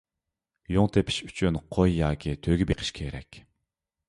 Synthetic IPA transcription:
joŋt̪ʰepʰɪ̥ʃy̥t͡ʃʰynqʰojːɑːkʲʰit̪ʰøɡʲibeqʰə̥ʃkʲʰeɾɛkʲ

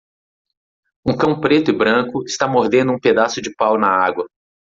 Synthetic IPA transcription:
ũkɐ̃w̃pɾet̪ʊɪbɾɐ̃kʊɪst̪amoɾd̪ẽnd̪ʊũped̪asʊd͡ʒɪpawnɐaɡwɐ

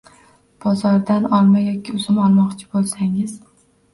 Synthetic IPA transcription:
b̥ɒzɒɾd̪anɒlˠmajɒkʲʰɪʊzɪmɒlˠmɒqt͡ʃʰɪ̥bolˠsaŋɪz

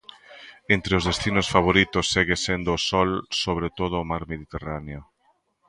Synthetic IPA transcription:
ent̪ɾeʊzðest̪inosfaβ̞oɾit̪osːeɣesend̪oːsɔlsoβ̞ɾet̪oð̞oːmaɾmeðit̪eraneo

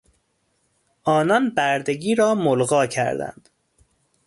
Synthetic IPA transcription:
ʔɒːnɒnbæɾd̪eɡiːɾɒːmolɣɒːcʰæ̰ɾd̪æ̰nd̪̥

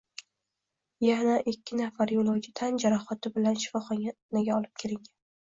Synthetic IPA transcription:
janaʔɪkʲːɪnafaɾjolˠowɡʲɪt̪ʰand͡ʒaɾɒχɒt̪ʰɪbɪlanʃɪ̥fɒχɒnaɡʲaɒlˠɪp̚kʲʰeɾɪŋʲan

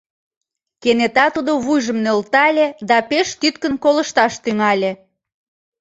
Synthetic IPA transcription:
kenet̪ɑt̪ud̪oβujʒəmnølt̪ɑlʲed̪ɑpeʃt̪yt̪kənkoləʃt̪ɑʃt̪yŋɑlʲe

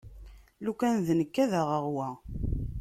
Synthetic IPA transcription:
lukænðnəkːæðəʁəʁwæ

